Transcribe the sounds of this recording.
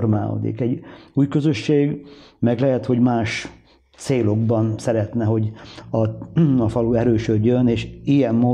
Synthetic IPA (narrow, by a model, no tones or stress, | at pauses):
rma̰ːo̰d̪ḭkɛɟuːjkøzøʃːeːɡmɛɡlɛɦɛt̪ho̞ɟmaːʃ | t̪seːlo̞ɡbɒnsɛɾɛt̪nɛɦo̞ɟɒɒfɒluɛɾøːʃød̪jøneːʃiɛmːoː